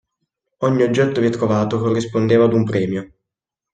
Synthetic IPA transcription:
ɔɲːiod͡ʒːɛt̪ːovjɛt̪ːɾovaːt̪okorːispond̪eːvaːd̪umpɾɛːmjo

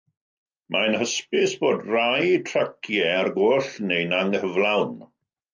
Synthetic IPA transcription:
mʔajnhəspɪsb̥oːdrajtʰrakʰjɛarɡoːɬnejnaŋhəvlˠawn

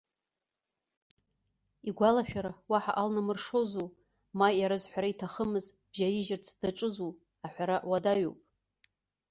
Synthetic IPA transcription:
iɡʷalaʃᶣaɾawaħaʔalnamɨrʂozu | majaɾazħʷaɾaitʰaχəmɨz | b̥ʒajɪʒɪrt͡sʰdaʈ͡ʂʼɨzu | aħʷᶣaɾaʔwadaɥo̰wpʼ

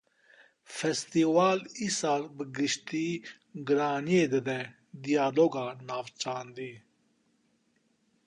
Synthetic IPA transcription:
fest̪iːwaːlisaːlbəɡiʃt̪iː | ɡɾaːnied̪ed̪ɛ̃ | d̪ijaːloːɡaːnaːft͡ʃaːnd̪iː

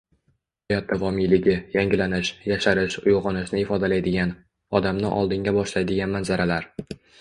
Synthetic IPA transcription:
hajɒt̪ʰːavɒmijlɪɡʲɪjaŋɡʲɪlanɪʃjaʃaɾɪʃʊjʁɑnɪʃnɪɪfɒd̪alajd̪ɪɡʲan | ɒd̪amnɪ̰ʔɒ̰lˠd̪ɪŋɡʲabɒʃlajd̪ɪɡʲanmanzaɾalaɾ

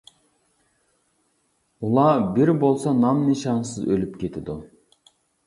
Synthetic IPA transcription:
ulˠɑbiɾbolˠsɑnɑmniʃɑnsɨzølʲyp̚kʲʰet̪ʰid̪u

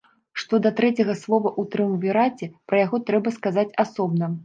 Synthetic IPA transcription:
ʂt̪ɔd̪ɐt̪ɾɛt͡sʲɐɣɐslˠɔvɐʔut̪ɾɨmuvʲiɾat͡sʲɛpɾɐjaɣɔt̪ɾɛbɐskazat͡sʲasɔbnɐ

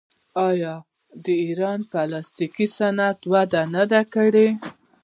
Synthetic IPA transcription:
ɑjɑ | d̪əiɾɑnpəlɑst̪ikisanat̪wad̪anad̪akəɽe

